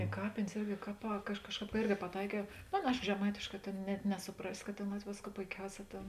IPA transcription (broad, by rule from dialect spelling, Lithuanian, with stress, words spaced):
ɪ ˈkɑːpʲeːnʲeːs ˈɪrʲɡʲɪ ˈkɑːˌpɑː kɐ ˈɐʃ ˈkɑːʃˌkɑːp kɐ ˈɪrʲɡʲɪ pɐˈtɐɪkʲɛʊ ˈnoː ˈɑːˌnɐ ˈɐɪʃkoː ʒʲɛˈmɐɪtʲeːʃˌkɑː ˈtʲeːn nʲɛt nʲɛsʊˈprɑːsʲɪ kɐt ˈtʲeːn ˈlˠɐtʲʋʲ ˈʋʲeːsˌkuː poːɪˈkʲɛʊˌsʲɛː ˈtʲeːn